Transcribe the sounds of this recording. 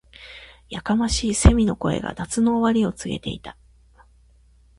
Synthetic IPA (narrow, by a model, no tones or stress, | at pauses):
jakamaɕiːse̞mʲino̞ko̞e̞̰ɡa̰d̪at͡sɨno̞ːβaɾʲio̞t͡sɨɡe̞̰t̪e̞it̪ḁ